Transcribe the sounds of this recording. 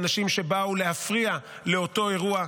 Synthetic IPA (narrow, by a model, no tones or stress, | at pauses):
naʃimʃe̞baule̞hafʁia | le̞o̞to̞e̞ʁua